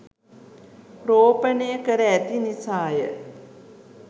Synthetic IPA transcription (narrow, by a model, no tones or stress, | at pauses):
proːpənejəkəɾəæt̪inisaːjə̰